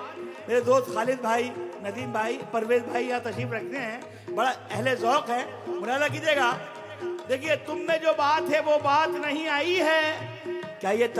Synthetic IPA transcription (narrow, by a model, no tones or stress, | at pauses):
meːɾed̪oːst̪xaːlɪd̪̚bʱaːinɐd̪iːmbʱaːipɐɾʋeːzbʱaːijãt̪ɐʃɾiːfɾɐk̚ʰt̪eɦɛ̃ | bɐɽaɛɦlezɔːqɦɛ̃ | mʊɾjaːlak̬id̪eːɡaː | d̪eːkʰiet̪ʊmːẽd͡ʒoːbaːt̪ɦɛʋobaːt̪nɐɦĩaːiɦɛː | kjaːɦijet̪